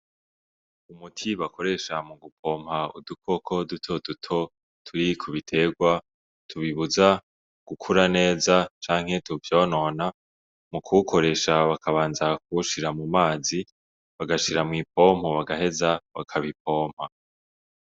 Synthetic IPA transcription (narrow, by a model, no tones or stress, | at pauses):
umutʰiβakʰo̞ɾe̞ʃamuɡupʰo̞ːm̥haṵdukʰo̞kʰo̞dutʰo̞dutʰo̞ | tʰuɾikʰuβitʰe̞ɡwa | tʰuβiβuza | ɡ̥ukʰuɾane̞ːzat͡ʃaːŋ̥he̞tuvjoːno̞na | mukʰukʰo̞ɾe̞ʃaβakʰaβaːnzak̚uʃiɾamumaːzi | βaɡaʃiɾamŋiːp̚o̞ːm̥hoβaɡaɦe̞zaβa̰kʰaβip̚o̞ːm̥ha